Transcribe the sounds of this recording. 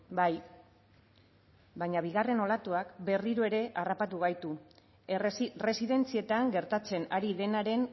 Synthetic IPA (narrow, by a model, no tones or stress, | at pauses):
baj | baɲaβ̞iɣare̞no̞lat̪uakbe̞riɾoe̞ɾe̞ʔarapat̪uɣ̞ajt̪u | re̞siðe̞nt͡sie̞t̪aŋɡe̞ɾt̪at͡se̞naɾiðe̞naɾe̞n